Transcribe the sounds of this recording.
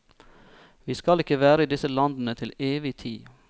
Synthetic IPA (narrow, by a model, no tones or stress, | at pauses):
ʋiːskɑlɪkəʋæːɾəiːd̪ɪsəlɑnd̪n̩ət̪ʰɪleːʋɪt̪ʰiː